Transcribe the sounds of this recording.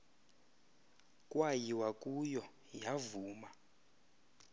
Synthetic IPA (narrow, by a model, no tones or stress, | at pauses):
kʼwajiwakʼujɔ | javuːma